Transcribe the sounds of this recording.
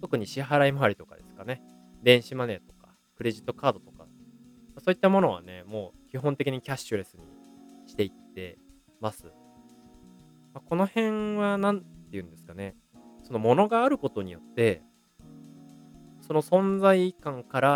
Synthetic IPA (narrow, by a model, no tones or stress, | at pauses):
t̪o̞kɯ̟ɲ̟iɕiɦaɾaimaaɾʲit̪o̞kad̪e̞sɨ̥kane̞ | d̪ẽ̞ɰ̃ɕimane̞t̪o̞kḁ | kɯ̟ɾe̞ʑit̪ːo̞kaːd̪o̞t̪o̞ka | maso̞ːit̪ːamo̞no̞βa̰ne̞mo̞ːkʲiɦõ̞nt̪e̞kʲiɲ̟ikʲaɕt͡ɕɨɾe̞sɨɲ̟ḭɕi̥t̪e̞it̪ːe̞̰ | masɨ | mako̞no̞hẽ̞ɰβanãntt̪ːe̞jɯ̟̃nd̪e̞sɨ̥kane | so̞no̞mo̞no̞ɡaːɾɯ̟ko̞t̪o̞ɲ̟ijo̞t̪ːe̞ | so̞no̞sõ̞nd͡zaikãŋkaɾa